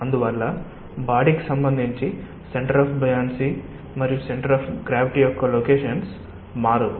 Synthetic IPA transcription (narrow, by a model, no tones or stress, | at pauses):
ɐnd̪uʋɐlːɐ | baːɽiki̥sɐmbɐnd̪ʱiɲt͡ʃi | se̞ɳʈɐɾaːpʰbɐjaːnsi | mɐɾijuseɳʈɐɾaːpʰɡɾaːʋiʈijɔkːɐloːkeːʃɐns | maːɾɐd̪u